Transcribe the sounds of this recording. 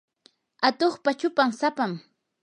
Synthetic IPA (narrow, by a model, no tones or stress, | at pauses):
at̪oχpat͡ʃʊpamsapam